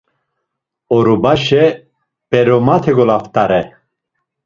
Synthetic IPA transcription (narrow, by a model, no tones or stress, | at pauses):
ɔɾubaʃɛ | b̥ɛɾomat̪ʰɛɡolaft̪aɾɛ